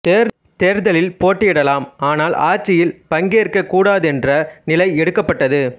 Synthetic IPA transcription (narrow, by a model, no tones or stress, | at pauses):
t̪eːɾðɐlɪlpoːʈːɪɪɽɐlaːmaːnaːlʔa̰ːɾt͡ʃːɪjɪlpɐŋɡeːɾkɐkːuːɽaːðɯɛndrɐnɪlɐɪɛɽɯkːɐpːɐʈːɐðɯ